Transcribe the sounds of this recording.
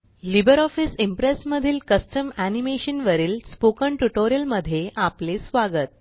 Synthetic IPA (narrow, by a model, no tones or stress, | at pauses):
libəɾɔfisimpɾesməd̪ʱiːlkəsʈəmænimeɕənʋəɾiːlspokəɳʈuʈoɾijəlməd̪ʱːjeʔaplesʋaɡət̪̚